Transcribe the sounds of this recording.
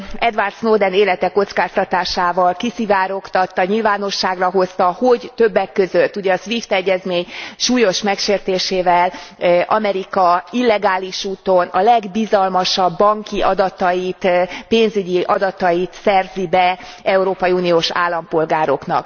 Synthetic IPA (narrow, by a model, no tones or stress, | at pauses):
ɛd̪vart̪snoːd̪ɛneːlɛt̪ɛkːo̞t̪skaːst̪ɒt̪aːʃaːvɒlkisivaːɾo̞kt̪ɒt̪ːɒɲilvaːno̞ʃːaːɡrɒɦo̞st̪ɒho̞ɟt̪ø̞bːɛkːøzøt̪ːuɟɛɒsʋift̪ɛɟːɛzmeːɲʃuːjo̞ʃmɛkʃeːrt̪eːʃeːvɛlʔɒ̰mɛɾikɒilːɛɡaːliʃuːt̪onɒlɛɡbizɒlmɒʃɒbːɒŋkiʔɒd̪ɒt̪ɒjit̪peːnzyɟiʔɒd̪ɒt̪ɒjit̪sɛrzibɛ | ɛuɾoːpɒjiuːnioːʃa̰ːlːɒmpo̞lɡaːɾo̞knɒ̰k